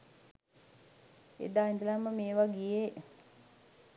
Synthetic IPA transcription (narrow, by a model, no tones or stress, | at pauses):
ḛd̪aːind̪əlamːəmeːʋaɡije